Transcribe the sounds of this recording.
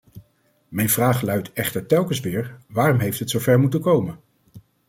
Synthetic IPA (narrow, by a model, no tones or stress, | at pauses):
mɛjnvraːχlœɥtɛχtəɹtɛlˠkənsʋɪːɹʋaːrɔmɦejftɦətsowvɛɹmutənkowmən